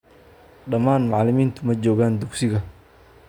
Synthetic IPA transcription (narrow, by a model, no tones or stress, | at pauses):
ɖɐmaːnmɑʕlɪmiːnt̪ʰʊmɐt͡ʃɔːɣaːnd̪ʊksɪɣɐ